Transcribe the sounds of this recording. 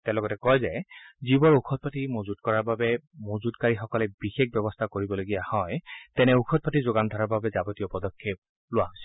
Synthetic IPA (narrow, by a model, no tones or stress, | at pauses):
tɛ̃lɔɡɔtɛkɔjzɛzibɔɹukʰɔt̚patimozudkɔɹaɹbabɛmozudkaɹixɔkɔlɛbixek̚bɛbɔstʰakoɹibɔloɡijahɔjtɛnɛukʰɔt̚patizoɡandʱɔɹaɹbabɛzabɔtijɔpɔdɔkʰːep̚ | lʊwaɦojsi